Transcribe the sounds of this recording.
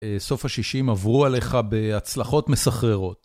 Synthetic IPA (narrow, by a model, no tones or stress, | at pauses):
eso̞fhaʃiʃimavʁuale̞χabe̞at͡slaχo̞tmesaχʁeʁo̞t